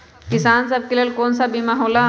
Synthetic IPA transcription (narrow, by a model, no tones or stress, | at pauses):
kisaːns̬əb̚kelelkoːnsabimaɦoːla